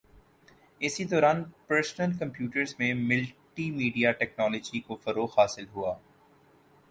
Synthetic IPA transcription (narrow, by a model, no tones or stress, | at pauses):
ɪsid̪ɔːɾaːnpəɾsnəlkɐ̃mpjuːʈəɾzmẽmɪlʈimiːɖijaʈɛːknɔːlɔːd͡ʒikofɐɾoːxaːsɪlɦuaː